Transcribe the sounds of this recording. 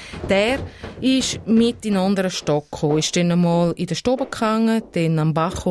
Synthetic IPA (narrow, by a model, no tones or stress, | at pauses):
d̥ɛːɾɪʃmɪtinandəɾəʃtɔkχoːɪʃd̥ɛnəmɔːlɪdəʃtɔbəkaŋːəd̥ɛnambaχo